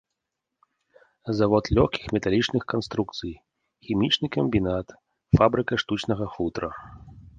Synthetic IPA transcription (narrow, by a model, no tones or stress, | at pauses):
zavɔt̪lʲɔxkʲixmʲɛt̪alʲit͡ʂnɨxkanst̪ɾuk̚t̪sɨj | xʲimʲit͡ʂnɨkɐmʲbʲinat̪ | fabɾɨkɐʂt̪ut͡ʂnɐɣɐfut̪ɾɐ